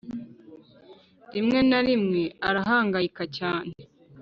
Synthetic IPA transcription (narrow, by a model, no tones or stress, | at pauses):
ɾimŋe̞naɾimŋe̞aɾaɦaːŋɡaikacaːne